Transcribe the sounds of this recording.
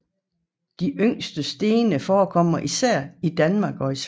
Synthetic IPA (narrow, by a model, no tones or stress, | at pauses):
d̥iʔøŋ̰sd̥əsd̥e̝ːnəfɒːkʰɒ̽m̰ɐʔisæɐ̰id̥ænmɑ̈ːɡ̥ɒ̽is